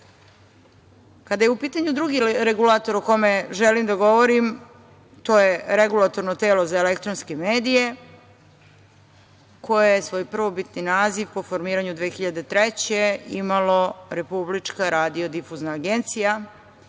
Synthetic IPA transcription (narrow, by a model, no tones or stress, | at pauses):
kad̪ajeupiːt̪aɲud̪ɾuɡiɾeɡulˠat̪o̞ɾoko̞meʒelimd̪aɡo̞ʋo̞ɾim | t̪oje̞ɾeɡulˠat̪o̞ɾnot̪e̞ːlo̞zaelekt̪ɾonske̞meːd̪ije̞ | ko̞jejesʋo̞ːjpr̩ʋobit̪ninaːziʋpo̞fo̞ɾmiːɾaɲud̪ʋeːxiʎad̪e̞t̪ɾet͡ɕe̞imalo̞ɾe̞publit͡ʂkaɾaːd̪io̞d̪ifuznaːɡent̪sija